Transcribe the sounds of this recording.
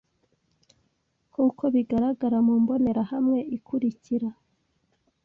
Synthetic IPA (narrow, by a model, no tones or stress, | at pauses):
kuːko̞βiɡaɾaɡaɾamuːmbo̞ne̞ɾahamŋe̞ʔikʰuɾiciɾa